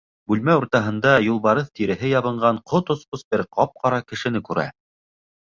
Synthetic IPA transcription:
bʉlmæuɾt̪ɑɦɤ̆nd̪ɑjulˠβɑɾɤθt̪iɾɘ̆ɦɘjɑβɤ̆ɴɢɑɴqʰot̪ŏsqosbɘɾqʰɑp̚qʰɑɾɑkɘ̆ʃɘ̆nɘkʉɾæ̰

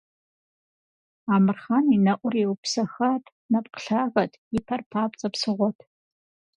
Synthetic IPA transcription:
aːmɨrχaninɐʔʷʊriwupsɐxatʰ | nɐp̚qə̥ɬaːɣɐtʰɪpʰɐrpʰaːp̚ʼt͡sʼɐpsɨʁʷɔtʰ

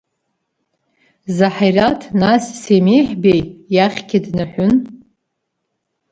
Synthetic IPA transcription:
zaħajratʰnasːemejħbejjaχʲɡʲɪdnɨħʷʊn

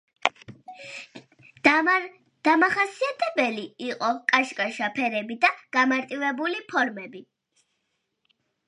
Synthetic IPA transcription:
d̪̥amaχasiat̪ʰɛbɛliiqʼɔkʼaʃkʼaʃapʰɛɾɛbid̪aɡ̥amaɾt̪ʼivɛbulipʰɔɾmɛbi

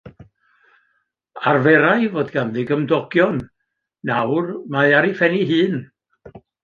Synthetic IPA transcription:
arvɛɾajvoːdɡanðɪɡəmdɔɡ̥jɔnː | awrmaɨaɾifɛniɦɨːn

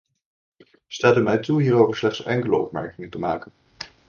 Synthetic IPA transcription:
staːtymɛjtuɦiːɾowvəɹslɛχtsɛŋkələɔ̰p̚mɛ̰ɹkɪŋəntəmaːkən

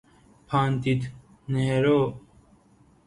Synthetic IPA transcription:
pʰaːnt̪it̪ | neɦeɾoː

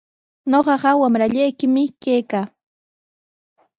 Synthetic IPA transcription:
ɲoɢɑɢɑwamɾaʎajkɪmɪkajkaː

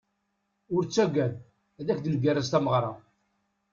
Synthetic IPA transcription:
ʊɾt͡sːæɡæð | æðækd̪əlɡærːæzt̪æməʁɾˤɑ

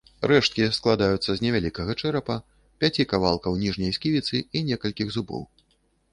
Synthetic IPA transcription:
rɛʂt̪̚kʲisklˠad̪ajut̪sːɐzʲnʲɛvʲalʲikɐɣɐt͡ʂɛɾɐpɐ | pʲat͡sʲikavalˠkɐwnʲiʐnʲɐjskʲivʲit̪sɨinʲɛkɐlʲkʲiɣzubɔ̰w

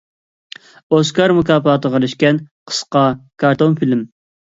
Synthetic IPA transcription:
oskʰɑɾmukɑːpɑːt̪ʰəʁəɾyʃkʲɛnqʰə̥sqɑkʰɑɾt̪ʰonfilm

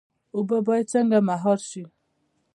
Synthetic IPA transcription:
ubəbɔit͡səŋɡəmaɦɔɾʃi

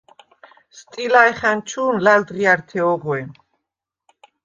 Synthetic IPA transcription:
st̪ʼilaɛχant͡ʃʰuːnlald̪ʁiaɾt̪ʰɛɔʁwɛ

